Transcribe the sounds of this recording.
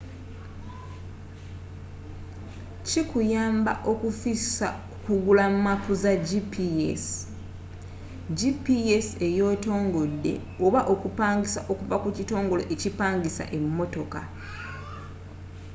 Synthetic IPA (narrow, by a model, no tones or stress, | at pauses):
cikujaːmba̰ʔo̞kufisaukuɡulamumapuzaɟipies | ɟipiese̞jo̞ːto̞ːŋɡo̞dːe̞̰ | oβaʔo̞kupaːŋɡisaʔo̞kuvakucito̞ːŋɡo̞lo̞̰ʔecipaːŋɡisa̰ʔe̞mːo̞to̞ka